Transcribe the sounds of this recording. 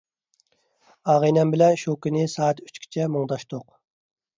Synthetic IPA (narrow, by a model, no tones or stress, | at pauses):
ɑːʁinɛmbɪlɛnʃokʲinɪsɑːt̪y̥t͡ʃkʲʰi̥t͡ʃʰɛmoŋd̪ɑʃt̪oq